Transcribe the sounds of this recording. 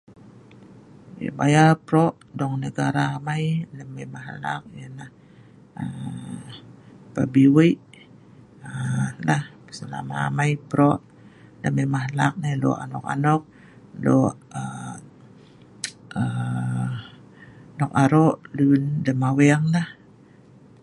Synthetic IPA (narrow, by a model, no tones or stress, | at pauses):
jə̰bajapɾoʔ | dɔŋnəɡaɾaːmajləməmaɦlak̚jənah | ə | pabiwəʔ | əlah | səla̰ma̰ːmajpəɾoʔ | ləməmaɦlak̚nelo̰ʔa̰nɔ̰ka̰nɔk̚ | lɔʔ | ə | ə | nɔkaɾɔʔlunləmawɛaŋlah